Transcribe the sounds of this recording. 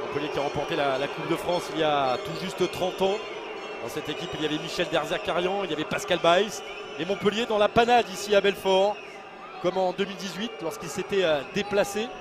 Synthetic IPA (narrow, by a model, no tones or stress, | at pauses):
mɔ̃pəljekʲiaʁɑ̃pɔʁt̪elalakub̚d̪əfχɑ̃siljat̪uʒyst̪t̪χɑ̃t̪ɑ̃ | d̪̥ɑ̃sɛt̪ekʲipiljavɛmiʃɛld̪ɛʁzɛʁkaʁjɑ̃iljavɛpaskalbajs | emɔ̃pəljed̪ɑ̃lapanad̪isiabɛlfɔʁ | kɔmɑ̃d̪əmild̪izɥit̪lɔʁskʲilset̪ɛød̪eplase